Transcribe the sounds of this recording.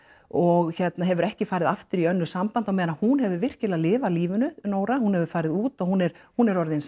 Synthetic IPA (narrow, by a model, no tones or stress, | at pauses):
ɔɣçɛt̪naɦɛvʏɾɛhcɪfaːjɾɪðaft̪ʏɾiœnːʏsampant̪awmɛːðanahunhɛvʏɾvɪr̥cɪlalɪːvaliːvʏnʏnoːwɾahunhɛvʏ̥faːɾɪðuːt̪ɔɣhunɛɾ̥hunɛɾɔɾðɪns